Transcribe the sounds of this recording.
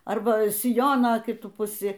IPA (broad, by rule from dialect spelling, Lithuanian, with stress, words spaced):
ˈɐrbɐ sʲɪˈjoːnoː kʲɪˈtʊ pʊˈsʲɪ